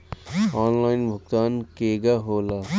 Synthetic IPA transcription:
aːnlaːɪnbʱʊkt̪aːnkeːɡaɦoːla

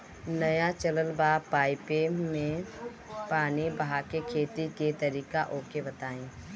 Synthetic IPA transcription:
nɐjat͡ʃɐləlbaːpaːɪpemẽ | paːnibɐɦakekʰeːt̪ik̪et̪ɐɾiːkaʔoːkebɐt̪aːẽː

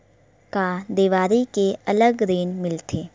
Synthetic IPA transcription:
kad̪eːʋaːɾikeɐləɡɾeːnmɪlt̪ʰeː

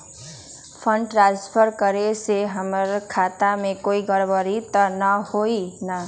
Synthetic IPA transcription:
pʰʌɳɖʈɾanspʰʌɾkʌɾeseɦʌmʌɾkʰat̪amekoiɡʌɾbʌɾit̪ʌnʌhoinʌ

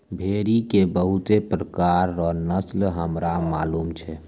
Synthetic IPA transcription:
bʱeɾikebəɦut̪epɾəkaɾːɔnəslɦəmɾama̰ːlumt͡ʃʰɛ

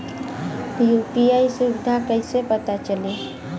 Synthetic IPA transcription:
jupiaːisuʋɪd̪ʱakəɪsepət̪at͡ʃəle

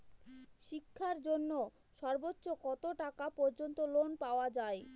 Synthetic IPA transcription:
ʃikʰːaɾd͡ʑonːo | ʃɔɾbotːɕokɔt̪oʈakapɔɾd͡ʑont̪olonpaoad͡ʑae

